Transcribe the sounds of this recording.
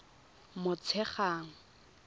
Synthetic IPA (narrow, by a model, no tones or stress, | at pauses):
mʊt͡sʰɛχaːŋ̩